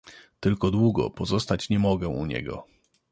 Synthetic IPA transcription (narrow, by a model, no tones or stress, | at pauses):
t̪ɘlkɔd̪wuɡɔ̰pɔzɔst̪at͡ɕɲɛmɔɡɛʔṵɲɛ̰ɡɔ̰